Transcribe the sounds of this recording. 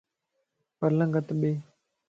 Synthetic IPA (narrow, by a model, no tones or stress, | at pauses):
pəɾlə̃ŋɡət̪ɓeː